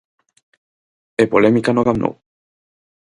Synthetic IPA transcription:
epolemikanoɡamno̰w

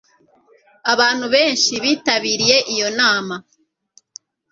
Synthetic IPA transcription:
aβaːn̥huβe̞ːnʃiβiːtaβiːɾije̞ʔijo̞naːma

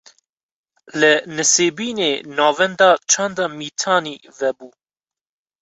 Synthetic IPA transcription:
lɨnɨseːbiːneːnɑːvɛnd̪ɑt͡ʃʰɑːnd̪ɑːmiːt̪ʰɑːniːvɛbuː

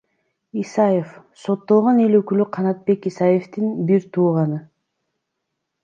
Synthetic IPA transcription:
isɑje̞f | so̞t̪ːo̞lˠʁone̞løkylyqʰɑnɑt̪̚be̞kisɑje̞ft̪inbiɾt̪ʰuːʁɑnɯ

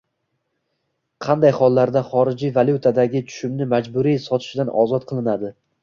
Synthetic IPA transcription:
qʰɑnd̪ajχɒlˠːaɾd̪aχɒɾɪd͡ʒivalʲˠjut̪ʰad̪aɡʲɪt͡ʃ̪ʰʊ̥ʃɪmnɪmad͡ʒbʊɾijsɒt̪ʰɪ̥ʃɪd̪anʔɒ̰zɒt̪̚qʰɨlˠɪnad̪ɪ

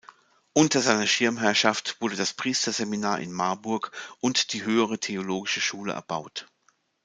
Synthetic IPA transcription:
ʔʊntɐzaɪnɐʃɪɐmɦɛɐʃaftv̥ʊɐdədaspʁ̥iːstɐzeminaːɐʔɪ̰nmaɐbʊɐkʔʊntd̥iːɦøːəʁ̞ətʰeoloːɡɪʃəʃuːlə̰ʔɛ̰ɐb̥aʊt

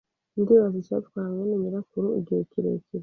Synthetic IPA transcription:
ndiβazit͡ʃa̰tkwaɾaŋanimiɾakuɾuḭɡiekiɾḛkʰiɾe

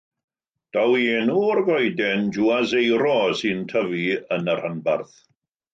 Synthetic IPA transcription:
d̥awienurvɔjdɛnd͡ʒuazejɾɔsɨntʰəviənərhənbarθ

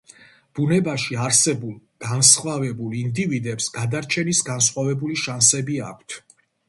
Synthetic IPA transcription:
b̥unɛbaʃiaɾsɛbulˠɡ̥ansχwavɛbulˠind̪ivid̪ɛpsɡad̪aɾt͡ʃʰɛnisɡansχwavɛbuliʃansɛbia̰kʷʰt̪ʰ

